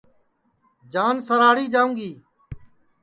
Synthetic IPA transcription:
d͡ʒaːnsəɾaːɽiːd͡ʒaːũːŋɡiː

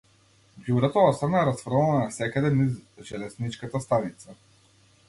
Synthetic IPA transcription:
ɡuɾɛt̪ɔɔsɾanaɾasfɾɔnasɛkad̪ɛnizʒɛlɛznit͡ʃkat̪ast̪anit̪sa

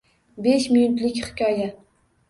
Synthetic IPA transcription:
beʃmʊj̪ʊt̪lɪkʲhɪ̥kʲʰɒja

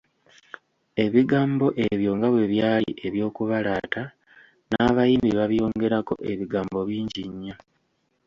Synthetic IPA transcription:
e̞βiɡaːmbo̞ʔe̞βjo̞ŋɡaβwe̞βjaːlḭʔe̞βjo̞ːkuβalaːta | naːβajiːmbiβaβjo̞ːŋɡe̞ɾako̞̰ʔe̞βiɡaːmbo̞βiːɲɟiɲːa

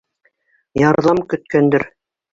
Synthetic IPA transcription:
jɑɾðɑmkɵ̆t̪̚kænd̪ɘɾ

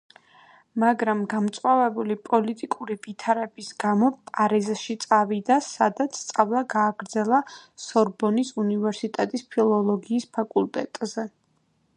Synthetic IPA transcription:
maɡɾamɡamt̪sʼqʼwavɛbulipʼɔlit̪ʼikʼuɾivit̪ʰaɾɛbisɡamɔpʼaɾizʃit̪sʼavid̪asad̪at̪sʰt̪sʼavlˠaɡaːɡɾd̪zɛlˠasɔɾbɔnisunivɛɾsit̪ʼɛt̪ʼispʰilˠɔlˠɔɡiːspʰakʼulˠt̪ʼɛt̪ʼzɛ

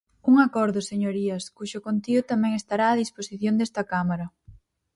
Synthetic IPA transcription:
uŋakɔɾðʊseɲoɾiɐskuʃokont̪iɣʊt̪amɛ̃ŋest̪aɾaːðisposiθjond̪ɛst̪ɐkamaɾɐ

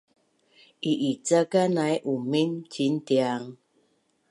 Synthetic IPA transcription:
iʔit͡sakanajʔument͡ʃin̩tiaŋ

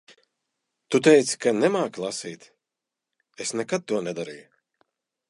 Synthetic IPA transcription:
t̪ut̪ɛjt̪skanɛmaːklˠasiːt̪ | esnɛkat̪̚t̪ːuɔnɛd̪aɾij

